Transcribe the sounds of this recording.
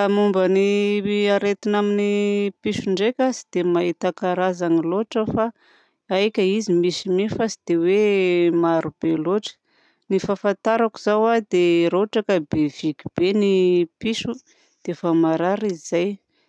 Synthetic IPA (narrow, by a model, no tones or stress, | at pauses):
amumbəniaɾet̪inaminipiʃuɳɖ͡ʐekʲasi̥d̪̥emait̪akaɾazaniloʈ͡ʂəfa | ajkʲaizimisimifasid̪̥ewemaɾub̥eloʈ͡ʂə̥ | nifafant̪aɾakuzawad̪eɾoʈ͡ʂakabevikʲib̥enipiʃu | d̪̥eefamaɾaɾiizaj